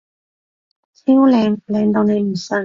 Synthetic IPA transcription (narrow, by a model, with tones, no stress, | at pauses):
t͡siː˥wlɛː˨˧ŋlɛː˨˧ŋt̪o˧wne˨˧jm̩˨˩sœ˧˥